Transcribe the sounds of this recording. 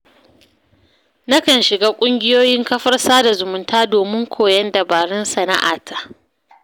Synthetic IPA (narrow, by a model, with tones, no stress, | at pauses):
na˦kɐ˨nʃɪ˨ɡaː˦kʷʼʊ˦ŋɡʲɪ˦joː˦jɪ˦ŋkɐ˦ɸɐ˦rsaː˦da˨zʊ˨mʊ˨ntaː˦doː˨mɪ˦ŋkʷʰoː˨jɐ˦nda˨baː˨ɽɛ˦nsɐ˨na̰˦ʔa̰ː˨tʰa˦ʔ